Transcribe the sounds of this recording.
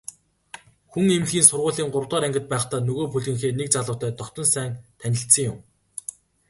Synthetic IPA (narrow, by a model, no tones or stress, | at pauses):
xuŋemɮɣiːnsʊrʁʊːɮiːŋɢʊrwt̪ɔːɾæŋɡʲɪ̆t̪̚pæːχt̪aːnɵɣoːpɵɮɣɘ̆ŋxeːnek̚t͡saɮʊ̆wʰt̪ʰæːt̪ɔkt̪ɞ̆nsæːŋt̪ʰænʲɪ̆ɬt̪sə̆ŋjʊm